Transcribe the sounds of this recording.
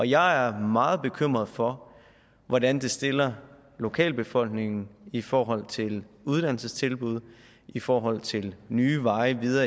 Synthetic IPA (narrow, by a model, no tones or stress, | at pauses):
ɒ̽jɑ̈ɪæɐmɑ̈ːð̞̩ˠb̥e̝kʰøm̰ʁɐð̞ˠfɒ̽ | ʋɒdænd̥e̝sd̥e̝lɐ | lo̝kʰɛ̰ːlb̥e̝fɒ̽l̰ɡ̥ne̝ŋn̩ifɒːɦɒ̽l̰t͡sʰe̝luð̞ˠd̥ænl̩səst͡sʰe̝lb̥uð̞̰ˠ | ifɒːɦɒ̽l̰t͡sʰe̝lnyːʋɑ̈ɪʋiðˠɐ